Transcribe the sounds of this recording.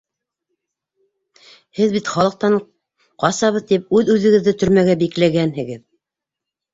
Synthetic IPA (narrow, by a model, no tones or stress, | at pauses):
hɘðbit̪χɑlˠɤ̆q̚t̪ɑɴ | qɑsɑβɤ̆ðt̪ip̚ʉðʉðɘ̆ɡɘ̆ðːɘt̪ɵ̆ɾmæɡæbiklæɡænhɘ̆ɡɘð